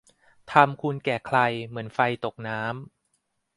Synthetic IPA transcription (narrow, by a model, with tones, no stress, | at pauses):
t̪ʰa˧mkʰu˧nkɛː˨˩kʰla˧jmɯ˩˦ənfa˧jt̪o˨˩k̚naː˦˥m